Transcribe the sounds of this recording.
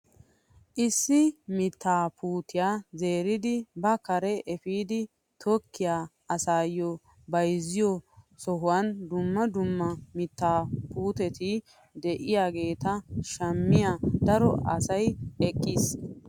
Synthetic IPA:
ʔɪsːɪmɪt̪ːaːpʰuːt̪ɪjaːze̞ːɾɪd̪ɪbɐkɐɾɛʔɛfiːd̪ɪ | t̪ʰɔkːɪjaː | ɐsaːjɔ | bɐjzɪjɔ | sɔɦʊwɐnd̪ʊmːɐd̪ʊmːɐmɪt̪ːaːpuːt̪ɛt̪ɪ | d̪ɛʔɪjaːɡe̞ːt̪ɐʃɐmːɪjad̪ɐɾɔɐsɐjɛkʼːiːs

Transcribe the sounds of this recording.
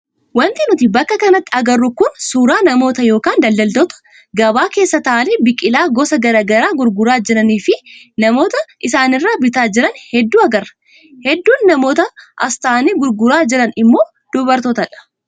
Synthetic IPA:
wɐnt̪ɪnʊt̪ɪbɐkːɐkɐnɐt̪ːɪɐɡɐrːʊkʊnsuːɾaːnɐmo̞ːt̪ɐjo̞ːkaːnd̪ɐld̪ɐld̪ɔt̪ɐ̥ | ɡɐbaːke̞ːsːɐt̪aʔɐlebɪkʼɪlaːɡɔsɐɡɐɾaːɡɐɾaːɡʊɾɡʊɾaːd͡ʒɪɾɐniːfɪnɐmo̞ːt̪ɐʔɪsaːnɪrːaːbɪt̪aːd͡ʒɪɾɐnhɛd̪ːuːɐɡɐrːɐ̥ | hɛd̪ːuːnːɐmo̞ːt̪ɐʔɐ̰st̪aːniːɡʊɾɡʊɾaːd͡ʒɪɾɐnɪmːo̞ː | d̪̥ʊbɐɾt̪oːt̪ɐᶑɐ̥

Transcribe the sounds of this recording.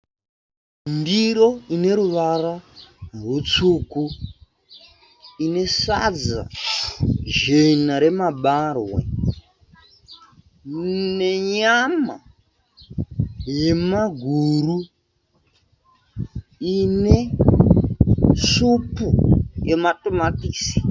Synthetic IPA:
mdiɾo̞ine̞ɾuʋararwut͡suːku | ine̞sa̰d͡za̰ | ʒenaɾe̞maɓarwḛ | ne̞ɲama | je̞maɡʱuru | ine̞ | supujematomatiːsi̥

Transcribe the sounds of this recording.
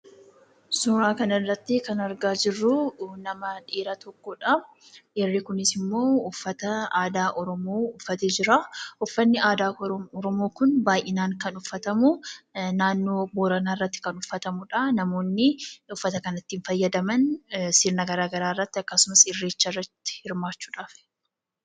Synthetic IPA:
sʊɾaːkɐnɐrːɐt̪ːɪkɐnɐɾɡaːd͡ʒɪrːʊnɐmɐᶑeːɾɐt̪ɔkːoːᶑab | ʔɛrːekʊnɪsɪmːo̞ːʊfːɐt̪ɐaːd̪aːʔɔɾɔmoːʊfːɐt̪eːd͡ʒɪɾaʔʊfːɐnːɪaːd̪aːɔɾɔmo̞ːkʊnbaːjʔɪnaːŋkɐnʊfːɐt̪ɐmʊnaːnːo̞ːboːɾɐnaːɪrːɐt̪ːɪ̥kɐnʊfːɐt̪ɐmʊᶑɐnɐmo̞ːnːɪʊfːɐt̪ɐkɐnɐt̪ːɪnfɐjːɐd̪ɐmɐnsiːɾnɐɡɐɾaːɡɐɾaːɪrːɐt̪ːɪɐkːɐsʊmɐsɪrːeːt͡ʃːɐrːɐt̪ːɪ̥hɪɾmaːt͡ʃːuːᶑaːf

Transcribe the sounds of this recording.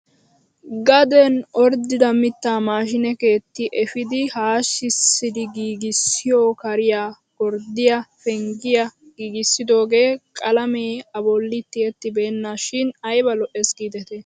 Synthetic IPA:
ɡɐd̪ɛnʔɔɾd̪ɪd̪ɐmɪt̪ːaːmaːʃ̬ɪnɛke̞ːt̪ːɪʔɛfɪd̪ɪhaːʃːɪsːɪd̪ɪɡiːɡɪsːɪjoːkɐɾɪjaː | ɡ̥ɔɾd̪ɪjɐfɛŋɡɪjɐ | ɡ̥iːɡɪsːɪd̪o̞ːɡe̞ːkʼɐlɐmeːɐbɔlːɪt̪ːɪɛt̪ːɪbe̞ːnːaːʃɪnɐjbɐlɔʔesɡiːd̪ɛt̪e

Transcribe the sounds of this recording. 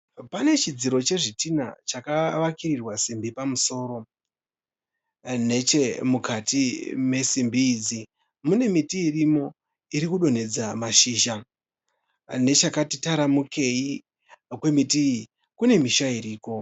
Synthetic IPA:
pane̞t͡ʃid͡ziɾo̞t͡ʃe̞ʐitina̰t͡ʃakaʋakirirwasimbipamuso̞ːɾo̞ | ne̞t͡ʃe̞mukatime̞simbiːd͡zi | mune̞mitiːrimo̞ | iɾikuɗo̞ne̞d͡zamaʃiːʃa | ne̞t͡ʃakatitaɾamuke̞i | kwe̞miti | kune̞miʃaiɾiːko̞

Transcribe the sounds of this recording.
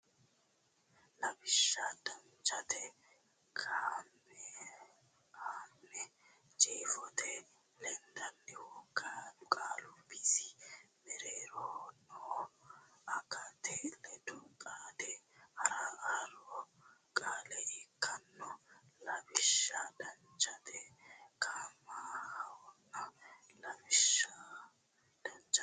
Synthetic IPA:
lɐbɪʃːad̪ɐnt͡ʃɐt̪ɛ | kʰaːm | ɛ | aːmːɛ | t͡ʃʼeːfɔt̪ɛ | lɛnd̪ɐnːɪwɔkaʊkʼaːlɔbisɪmɛɾeːɾɔnɔ | ɐɡat̪ɛlɛd̪ɔkʼaːd̪ɛhɐɾaaːlɔkʼaːlɛɪkʰːɐnːɔlɐmɪʃːad̪ɐnt͡ʃʼːɐt̪ɛkaːmahɐwɔnːɐ | lɐmɪʃːa | d̪̥ɐnt͡ʃʼː

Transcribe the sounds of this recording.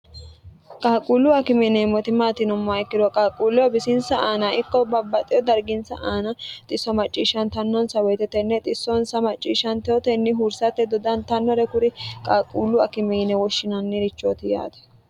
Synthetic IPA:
kʼaːkʼuːlːʊɐkɪmɛnɛmɔt̪ɪmaːt̪ɪnʊmːaɪkːɪd̪ɔkʼaːkʼuːlːɛɔbɪsɪnsɐaːnɐɪkːɔbɐbːɐt̪ʼɪjɔd̪ɐɾɡɪnsɐʔaːnɐt̪ʼɪsːɔmɐt͡ʃʼːiːʃɐnt̪ɐnːɔnsɐwɔjt̪ɛt̪ɛnːɛt̪ʼɪsːɔnsɐmɐt͡ʃʼːiːʃːɐnt̪ɛɔt̪ɛnːɪɦuːɾsɐt̪ːɛd̪ɔd̪ɐnt̪ɐnːɔɾɛkʊɾɪkʼaːkʼːuːlːʊɐkɪmɛːnɛwɔʃːɪnɐnːɪɾɪt͡ʃːoːt̪ɪja̰ːt̪ɛ̥

